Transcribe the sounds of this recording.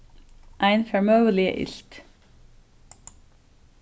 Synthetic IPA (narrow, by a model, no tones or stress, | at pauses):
ʔæɪnfɛmœʊəlɪə̰ʔɪ̰ɬt̪